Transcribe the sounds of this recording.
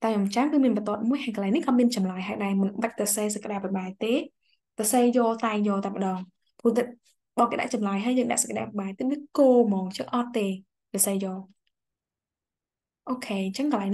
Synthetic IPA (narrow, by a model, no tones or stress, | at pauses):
t̪aɛŋʔɑmt͡ɕaŋkɨmiənɓɑt̪ŏət̪̚muəjhajkəlaɛŋnːihkɑːmiənt͡ɕɑmlajɦajɗaɛmɨnɓac̚kɑseːs̬ɔkə̆ɗaːpiɓaːɛt̪eː | kɔseːjoːlt̪aɛŋjoːlt̪aɛmpə̆ɗɑːŋ | pʰuət̪a | ɓɑːkeːɗa̰ʔt͡ɕɑmlajɦaəjəːŋɗa̰ʔsɔ̥kəɗa̰ːpiɓaːɛt̪iət̪̚ʋiəkoːmɔːŋɲt͡ɕəŋʔɑt̪ːeː | kəsəːjoːl | ʔoːkʰeːnt͡ɕəŋkəlaɛŋni